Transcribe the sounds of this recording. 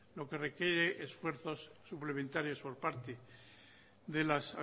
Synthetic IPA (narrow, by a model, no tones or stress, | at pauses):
lo̞ke̞re̞kjeɾe̞ʔesfwe̞ɾθo̞sːuple̞mẽnt̪aɾjo̞spo̞ɾpaɾt̪e | ðe̞lasa̰